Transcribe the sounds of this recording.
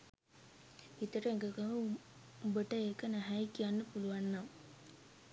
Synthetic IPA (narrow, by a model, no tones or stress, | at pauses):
it̪əʈəeŋɡəkəɦu | ubəʈəekənaɦæjkijanːəpuluʋanːaʋ